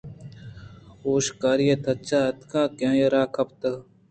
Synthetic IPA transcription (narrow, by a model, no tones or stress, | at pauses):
oːʃkaːɾiet̪ʰɐt͡ʃaːɐt̪kãːkjãːjɐɾaːkʰɐp̚t̪ɐ